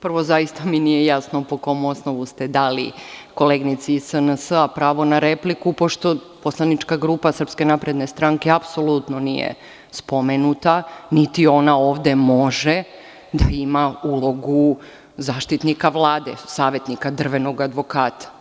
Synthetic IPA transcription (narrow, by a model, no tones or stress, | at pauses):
pr̩ʋo̞zaist̪aminijejasnopoko̞mosnoʋust̪e̞d̪alḭko̞leːɡnit̪siisənəsapɾaːʋo̞naɾeplikupo̞ʃt̪o̞poslanit͡ʃkaɡɾupasr̩pske̞napɾe̞d̪ne̞st̪ɾaŋke̞apso̞lˠut̪nonḭjḛ | spomenut̪anit̪io̞naoːʋd̪e̞moʒe | d̪aimaulˠo̞ɡu | zaːʃt̪it̪nikaʋlˠaːd̪ḛsaːʋe̞t̪nikad̪r̩ʋe̞no̞ɡad̪ʋo̞kaːt̪ʰḁ